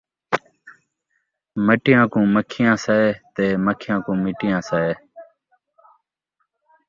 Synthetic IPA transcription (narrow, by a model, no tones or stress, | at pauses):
məʈɪjãːkũːməkʰɪjãːsɛet̪eːməkʰɪjãːkũːmɪʈɪjãːsɛeː